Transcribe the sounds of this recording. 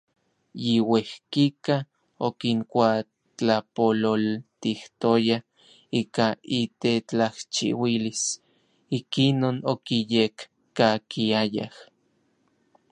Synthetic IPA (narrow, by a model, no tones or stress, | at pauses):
jiwehkika | okiŋkʷa | t͡ɬapololt̪iht̪oja | iːkait̪et͡ɬaht͡ʃḭwilis | ikinoːnokijekː | akiaja̰h